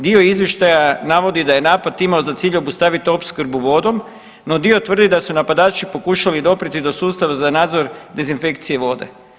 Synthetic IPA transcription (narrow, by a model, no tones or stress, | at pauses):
d̪io̞izʋje̞ʃt̪ajanaʋo̞d̪id̪ajenaːpat̪imao̞zat̪siːʎo̞bust̪aʋit̪io̞pskɾ̩buʋo̞d̪o̞m | no̞d̪io̞t̪ʋr̩d̪id̪asunapad̪aːt͡ʃipo̞kuʃalid̪o̞pɾit̪id̪o̞suːst̪aʋazanaːd̪zo̞ɾd̪e̞zinfe̞kt̪sije̞ʋo̞d̪e̞̰